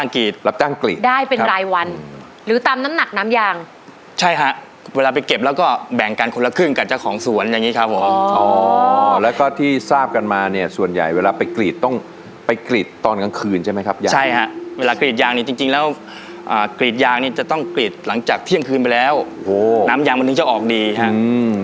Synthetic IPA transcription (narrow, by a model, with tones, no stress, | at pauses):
t͡ɕaː˥˧˩ŋkiː˨˩t̪̚la˦˥p̚t͡ɕaː˥˩ŋklḭː˨˩tdaː˥˩jpe˧˦ɾaː˧jwa˧n | ɾɯː˩˦t̪aː˧mna˦˥mna˨˩k̚naː˦˥mjaː˧ŋ | t͡ɕʰa˥˩jkʰa˦˥ʔ | weː˧laː˧pa˧jke˨˩p̚lɛ˦˥wkɔː˥˩bɛ˨˩ŋkaː˧nkʰo˧la˧kʰɯ˥˩ŋka˨˩t͡ɕa˨˩kʰɔː˩˦ŋsu˩˦ənjaː˨˧ŋːiː˦˥kʰa˦˥p̚ʰːo˨˩˦mː˦ɔː˧lɛː˦˥wkɔː˥˩t̪ʰiː˥˩saː˥˩p̚ka˧nmaː˧ni˥˩ɐsu˨˩ənja̰˨˩jweː˧laː˧pa˧jkliː˨˩t̪ːɔ˥˩ŋ | pa˧jkliː˨˩t̪ːɔː˧nka˧ŋkʰɯː˧nt͡ɕʰa˥˩m˦˥jkʰa˦˥p̚jaː˧t͡ɕʰa˥˩jkʰa˦˥ʔweː˧laː˧kli˨˩t̪̚jaː˧ŋniː˥˩t͡ɕi˧ŋt͡ɕi˧ŋlɛː˦˥w | ʔaː˨˩kliː˨˩t̪̚jaː˧ŋniː˥˩t͡ɕa˨˩t̪ɔ˥˩ŋkli˨˩t̪̚la˩˦ŋt͡ɕaː˨˩k̚t̪ʰi˥˩əŋkʰɯː˧npa˧jlɛː˦˥wʔoː˧˩naː˦˥mjaː˧ŋma˧nɯ˧˥˩t͡ɕa˧˩ʔɔː˨˩k̚diː˧ɦa˦˥ʔɨ˧